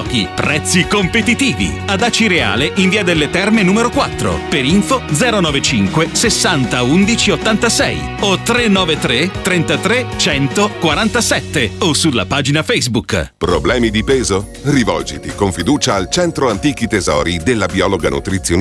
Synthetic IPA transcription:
k̟ḭpɾɛt̪sːikompet̪it̪iːvḭad̪aːt͡ʃiɾea̰ːleʔiɱviːad̪elːet̪ɛrmenuːmeɾokwat̪ːɾo̰peɾiɱfod̪zɛːɾonɔːvet͡ʃiŋkwesesːant̪aund̪it͡ʃiot̪ːant̪asɛ̰j | ot̪ːɾenːɔːvet̪ɾet̪ːɾent̪at̪ɾet͡ʃɛnt̪okwaɾant̪asɛt̪ːeosulːa̰paːd͡ʒinafɛjzbukpɾoblɛːmid̪ipeːzo | rivɔ̰ld͡ʒit̪ikoɱfid̪uːt͡ʃaːlt͡ʃɛnt̪ɾoant̪iːk̟it̪ezɔ̰ːɾid̪elːabiɔːloɡa̰nṵt̪ɾit̪sːjon

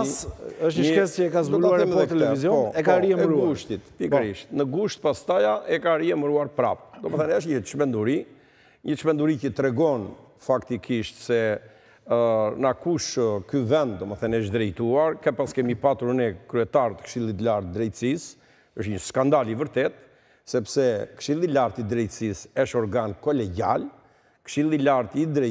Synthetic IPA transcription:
asəʃɲəʃɛsɛɛkazɔaɾɛmɛt̪ɛlɛvizjɔpɔɛkaɾiɛmɾuɡuʃt̪it̪pikɾiʃt̪nəɡuʃt̪̚past̪ajaʔɛkaɾiɛməɾuaɾpɾa̰pd̪ɔməθɛnəʃ̬ɲəʃmɛnd̪uɾi | ɲəʃmɛnd̪uɾicət̪ɾɛɡɔn | fakt̪ikʰiʃt̪sɛ | nakuʃkyvɛnd̪̚d̪ɔməθɛnɛʃ̬d̪ɾɛjt̪uaɾkɛpaskɛmipat̪uɾnɛkɾyɛt̪aɾt̪ə̥kʃilˠit̪laɾt̪̚d̪ɾɛjt̪əsis | əʃɲəskand̪alivəɾt̪ɛt̪̚ | sɛpsɛkʃilˠilaɾt̪id̪ɾɛjt̪əsisɛʃɔɾɡankɔlɛɟa̰l | kʃilˠilaɾt̪id̪ɾɛ

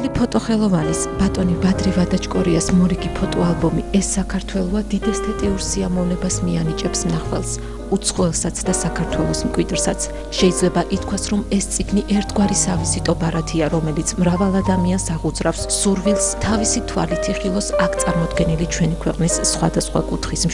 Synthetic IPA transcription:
lipʰɔt̪ʼɔχɛlˠɔvanɛsbat̪ʼɔnibad̪ɾivad̪at͡ʃkʼɔɾiasmɔɾiɡipʰɔt̪ʼɔalˠbɔmiɛsːakʰaɾt̪ʰwɛlˠɔad̪id̪ɛst̪ʰat̪ʼiuɾsiamɔvnɛbasmianit͡ʃʼɛpsmnaχwɛ̰lˠs | ut̪sʰχɔɛlˠsat̪sʰd̪asakʰaɾt̪ʰwɛlˠɔsmkʼwid̪ɾsat̪sʰ | ʃɛid̪zlɛbaʔit̪̚ʰkʰwasɾɔmɛst̪sʼiɡniʔɛɾt̪ʰɡwaɾisavisit̪ʼɔbaɾat̪ʰiaɾɔmɛlit̪sʰmɾavalˠad̪amiansaʁud̪zɾafsːuɾvilˠst̪ʰavisit̪ʰwa̰lit̪ʰiχilˠɔsakʰt̪sʼaɾmɔd̪ɡɛnilit͡ʃʰwɛnikʰwɛqʼnisːχwa̰d̪asχwa̰kʼut̪ʰχism

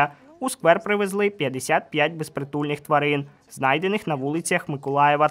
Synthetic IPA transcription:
ɐuskʋɛrpɾɪʋezlˠɪpʲjɐd̪esʲat̪̚pʲjat̚ʲbespɾet̪ulʲnɪxt̪ʋɐɾɪn | znɑjd̪enɪxnɐʋulˠɪt͡sʲjɐxmɪkɔlˠɑjɛʋɐ

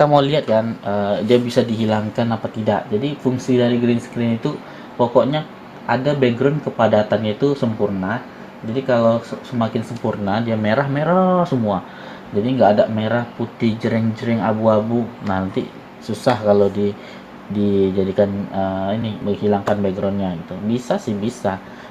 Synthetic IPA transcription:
t̪amoliat̪̚kanədiabisadiɦilaŋkanapat̪idaʔd͡ʒadifuŋsidaɾiɡɾinsə̥kɾɪnit̪u | pokɔʔɲa | ʔadabɛɡɾɔnkəpadat̪anɲait̪usəmpurna | d͡ʒadikalowssəmakɪnsəmpurnadiameɾahmeɾasəmua | d͡ʒadiŋɡaʔːdaʔmeɾahput̪ɪd͡ʒəɾɛŋd͡ʒəɾɪŋa̰buabunahnant̪ḭ | susahkalodi | did͡ʒadikanəinɪhməŋhilaŋkanbeɡɾɔnɲaɡit̪ubisasɪhbisa

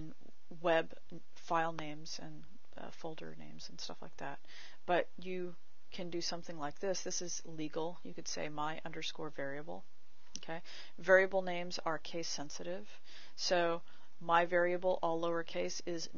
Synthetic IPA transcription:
n | wɛb | faɪlˠnẽɪ̃mz̥ɨ̃n | ʌ̰foʊlˠdə̰˞nḛ̃ɪ̃mz̥n̩stʌ̰fla̰ɪk̚ðæ̰t̚ | b̥ʌt͡ʃ | ɨ | kʰɨ̃ndɨsʌ̃mθɪ̃ŋlaɪk̚ðɪsðɪsɨz | liɡl̩ˠjɨkɨd̥sḛɪmaɪʔʌ̰̃ndə˞skɔɹvɛɹiɨbl̩ˠ | oʊkʰeɪ | vɛɹiɨbl̩ˠnẽɪ̃mzə˞kʰeɪsɛ̃nsɨɾɪv̥ | soʊ | maɪvɛɹiɨbl̩ˠʔɔlˠːoʊə˞kʰeɪsɪz

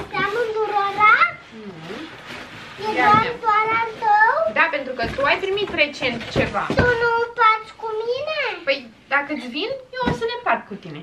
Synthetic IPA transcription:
t̪amund̪uɾoɾã | eaat̪anat̪ɐwd̪apent̪ɾukət̪uajpɾimit̪ret͡ʃent̪t͡ʃeva̰t̪unũw̃paɾt̪ʃkuminepəj | d̪akət͡ʃvinewosənepaɾt̪̚kut̪ine

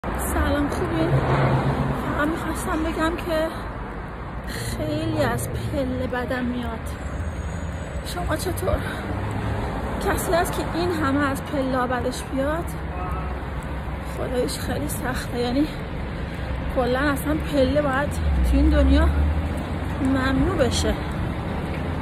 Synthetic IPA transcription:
sælɒːmxubin | fæʁæmmixɒːst̪æmbe̞ɟæmcʰe̞ | xejliːæzpʰelːebæd̪ænmijɒd̪̥ | ʃo̞mɒːt͡ʃʰe̞t̪ʰoːɾ | cʰæsiːæskʲʰeʔinɦæmeæzpʰe̞lːɒːbæd̪eʃb̥ijɒd̪̥ | xo̰d̪ɒːjeʃxejlisæxt̪ʰejæniː | kʰo̞lːænæsænpʰe̞lːebɒːjæd̪̥t̪ʰuind̪onjɒː | mæmnuːbeʃe

